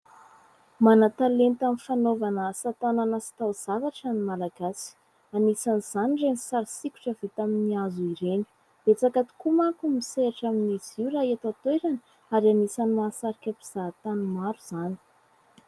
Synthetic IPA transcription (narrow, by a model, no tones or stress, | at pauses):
manat̪alent̪amifanovanəsat̪ananəsi̥t̪awz̥avaʈ͡ʂanimalaɡasi̥ | anisaniz̥aniɖ͡ʐenisaɾisiku̥ʈ͡ʂəvit̪aminiazuiɾeni̥ | b̥̪et͡sakat̪u̥kumakumiseaʈ͡ʂaminiz̥iuɾaɦet̪at̪weɾan | aɾianisanimasaɾikʲəpiz̥at̪animaɾuz̥ani̥